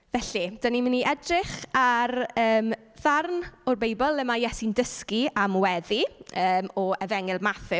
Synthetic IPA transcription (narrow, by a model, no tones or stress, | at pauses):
vɛɬid̥ənimɪniʔɛdrɪχarəːm | ðarnʊrbejbɔlˠɛmajɛsindəskiamwɛðiəːmɔɛvɛŋɪlˠmaθɪ